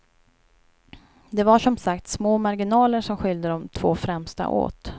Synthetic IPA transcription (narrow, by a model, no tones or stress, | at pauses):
d̪ɛvaʂɔmsakt̪smoːmaɾɡɪnɑːləʂɔmɧʏld̪əd̪ɔmt̪ʰv̥oːfɾɛmst̪a̰ʔo̰ːt̪